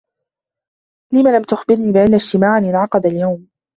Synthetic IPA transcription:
lɪmalamt̪ʊxbɪɾniːbɪʔanːaʃt̪ɪmaːʕanɪnʕɑqɑd̪aljawm

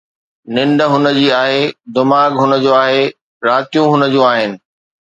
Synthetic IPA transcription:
nɪ̃ɳɖəɦʊnə̆d͡ʑiːaːɦed̪ʊmaːɡɦʊnə̆d͡ʑoːaːɦe | ɾaːt̪ijũɦʊnə̆d͡ʑũːaːɦɪnɪ̆

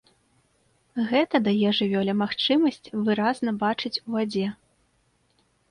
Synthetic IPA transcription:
ɣɛt̪ɐd̪ajɛʐɨvʲɔlʲɛmaxt͡ʂɨmɐsʲt͡sʲvɨɾaznɐbat͡ʂɨt͡sʲuvad͡zʲɛ

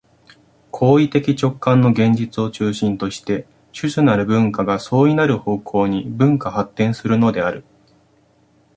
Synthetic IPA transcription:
kʰo̞ːit̪e̞kʲit͡ɕo̞kːãnːo̞ɡẽ̞ɲ̟d͡ʑit͡sɨo̞t͡ɕɨːɕĩnt̪o̞ɕi̥t̪e̞ | ɕɨɕɨnaɾɯ̟bɯ̟̃ŋkaɡaso̞ːinaɾɯ̟ho̞ːkʰo̞ːɲ̟ibɯ̟̃ŋkahat̪ːẽ̞ɰ̃sɨɾɯ̟no̞d̪e̞aɾɯ̟

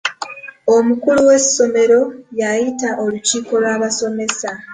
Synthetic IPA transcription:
omukuluwe̞sso̞me̞ɾo̞jajitaʔo̞luciːko̞lwaːβaso̞me̞sa

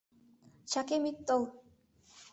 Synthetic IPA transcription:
t͡ɕʰakemit̪ːɔl

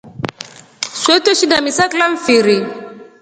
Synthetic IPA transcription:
sɛtɛʃidamisaklaɱ̩fiɾi

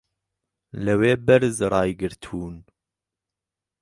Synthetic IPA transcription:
ləweːbɛɾzɾɑːjɡɨɾt̪ʰuːn

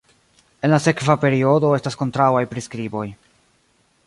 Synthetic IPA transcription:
e̞nlase̞kvape̞ɾio̞do̞e̞stasko̞ntɾawajpɾiskɾibo̞j

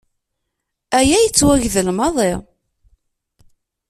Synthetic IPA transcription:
æjæjət͡sːwæʝðəlmɑðˤɪ

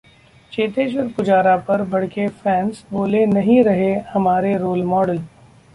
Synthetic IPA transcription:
t͡ʃeːt̪eːʃ̬əɾkʊd͡ʒaːɾapɐɾbʱɐɽkefɛ̃ːnsboːlenɐɦĩɾɐɦehɐmaːɾeɾoːlmɔːɖəl

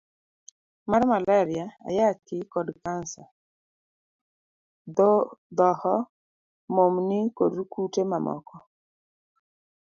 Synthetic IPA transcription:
maɾmalaɾɪjaa̰jakɪkɔdkansa | dɔd̪ɔhɔ | momnɪkodukutemamɔ̰kɔ

